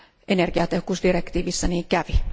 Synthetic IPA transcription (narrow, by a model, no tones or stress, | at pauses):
ʔenerɡ̥iɑt̪ehokuːsd̥irekt̪iːʋisːæniːŋkæʋi